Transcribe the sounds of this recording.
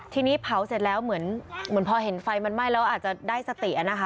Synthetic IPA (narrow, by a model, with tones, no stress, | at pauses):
t̪ʰiː˧niː˦˥pʰa˨˩˦wse˨˩t̪̚lɛː˦˥wmɯ˩˦ənmɯ˩˦ənpʰɔː˧ɦe˩˦nfa˧jma˧nma˥˩jlɛː˦˥ʔaː˨˩t̪̚t͡ɕa˨˩daː˥˩jsa˧t̪i˨˩ʔ̚a˨˩na˦˥kʰa˦˥